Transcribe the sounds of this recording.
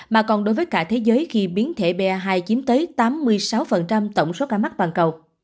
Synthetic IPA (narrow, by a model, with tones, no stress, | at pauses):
maː˨˩kɔ˨˩nɗo˨˦jvəː˨˦jkaː˧˩t̪ʰe˨˦zəː˨˦jxi˧ɓi˨˦ənt̪ʰe˧˩ɓɛ˧˩ɦaː˧jt͡ɕi˨˦əmt̪əː˨˦jt̪aː˨˦mːɨ˧əjsa˨˦wfə˨˩nt͡ɕa˧mt̪ə˧˩wŋ͡mso˨˦kaː˧˩ma˦˥k̚t̪waː˨˩nkə˨˩w